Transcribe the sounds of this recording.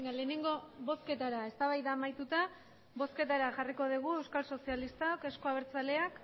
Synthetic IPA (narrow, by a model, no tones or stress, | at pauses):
ŋale̞ːne̞ŋɡo̞βo̞ske̞t̪aɾae̞st̪aβajðaːmajt̪ut̪a | βo̞ske̞t̪aɾaʝariko̞ð̞iɣ̞ue̞wskalso̞sialist̪aoke̞sko̞aβeɾt͡sale̞ak